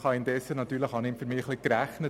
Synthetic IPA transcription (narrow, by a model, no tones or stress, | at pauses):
χɑɪndɛsːənɑt̪ːyːɾləχhɑnɪmfyɾmɪːχlikɾæχnə